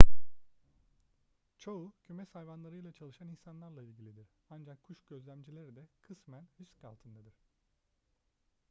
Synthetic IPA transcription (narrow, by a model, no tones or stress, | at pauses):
t͡ʃʰoucʰymɛsajvanlˠaɾɯjlˠat͡ʃʰalˠɯʃaninsanlˠaɾlˠailʲɟilʲid̪iɾ̥ | and͡ʒakʰːuʃɟø̞zlʲæmd͡ʒilʲeɾid̪ɛkʰɯsmænysca̰lˠt̪ʰɯnd̪ad̪ɯɾ̥